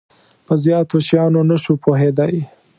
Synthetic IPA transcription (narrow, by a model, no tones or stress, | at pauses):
pəzjɑt̪oʃjɑnonaʃupoɦed̪ɑj